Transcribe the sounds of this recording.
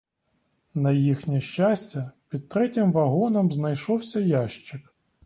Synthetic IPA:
nɐjixnʲiʃt͡ʃasʲtʲɐpʲid̪̚t̪ɾɛtʲɪmʋɐɦɔnɔmznɐjʃɔwsʲɐjaʃt͡ʃɪk

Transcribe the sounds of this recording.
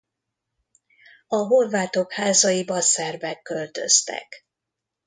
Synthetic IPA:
ɒɦo̞rvaːt̪o̞khaːzɒjibɒsɛrbɛkːølt̪ø̞̰st̪ɛ̰k

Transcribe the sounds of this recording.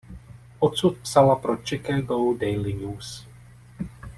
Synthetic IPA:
ʔɔt̪sut̪̚psalapɾot͡ʃɛkaɡowdɛjliɲuːs

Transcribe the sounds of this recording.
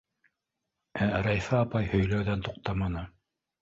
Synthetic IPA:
æɾɑjfɑɑpɑjhɵ̆jlæwðænt̪uq̚t̪ɑmɑnɤ

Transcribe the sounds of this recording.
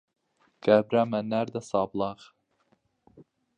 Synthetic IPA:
ɡ̥æbɾæmænːæɾd̪æsɑblˠɑʁ

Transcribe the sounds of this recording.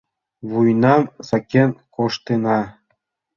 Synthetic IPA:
βujnɑmsɑkʲenkoʃt̪enɑ

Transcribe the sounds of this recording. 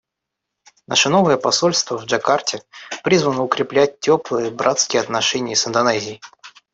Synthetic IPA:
na̰ʂənovəjəpɐso̞lʲst̪vəvʐɐkartʲɪpɾʲizvənəʊkɾʲɪplʲæt̚ʲtʲːo̞plˠɨjəbɾʔat̪skʲɪjəɐt̪nɐʂɛnʲɪjəsɨnd̪ɐnɛzʲɪɪ

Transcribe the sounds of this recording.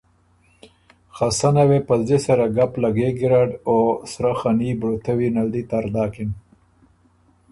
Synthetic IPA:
xasanawepazd̪esaɾaɡaplaɡeɡiɾaɖosɾaxanibɽot̪ʰawinald̪it̪aɾd̪ɑːkin

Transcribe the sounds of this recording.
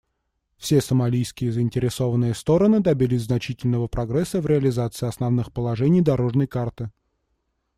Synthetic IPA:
fsʲesəmɐlʲijskʲɪjəzəɪnʲtʲɪɾʲɪso̞vənːɨjəst̪o̞ɾənɨd̪ɐbʲilʲɪsʲznɐt͡ɕitʲɪlʲnəvəpɾɐɡɾɛsːəvɾʲɪɐlʲɪzat̪sɨɪɐsnɐvnɨxpəlˠɐʐɛnʲijd̪ɐɾo̞ʐnəjkart̪ɨ

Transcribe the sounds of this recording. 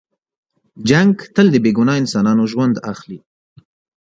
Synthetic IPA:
d͡ʒaŋɡt̪əld̪əbeɡʊnɑɪnsɑnɑnoʒwand̪axli

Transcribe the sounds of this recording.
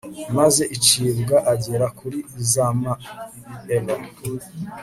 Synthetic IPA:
maze̞ʔit͡ʃiβɡaʔaɟeɾakuɾiizama | ela

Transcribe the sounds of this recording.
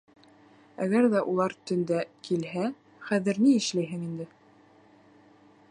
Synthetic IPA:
æɣæɾðæʔulˠɑɾt̪ɵ̆nd̪ækʰilɦæ | χæðɘɾniɘ̆ʃlæjɦɘŋind̪ɘ

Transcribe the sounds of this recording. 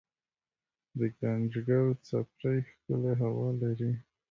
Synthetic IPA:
d̪əɡand͡ʒɡawt͡sapɾajxkəleɦawɑlaɾi

